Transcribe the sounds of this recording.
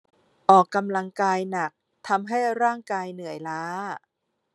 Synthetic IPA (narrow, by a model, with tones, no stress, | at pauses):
ʔɔː˨˩kːa˧mla˧ŋkaː˧jna˨˩k̚ | t̪ʰa˧mɦa˥˩jɾaː˥˩ŋkaː˧jnɯ˨˩˦əjlaː˦˥